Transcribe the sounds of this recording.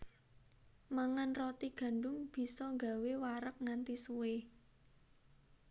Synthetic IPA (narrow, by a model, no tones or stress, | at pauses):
maŋanrɔt̪iɡ̥ä̤nɖʊmb̥i̤sɔŋɡa̤wewaɾək̚ŋant̪isuwe